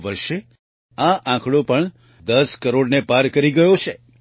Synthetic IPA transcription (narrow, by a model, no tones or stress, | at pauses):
ʋəɾʃe | aʔãkʰɽopəɳ | d̪əskəɾoɽnepaɾkəɾiɡəjot͡ʃʰe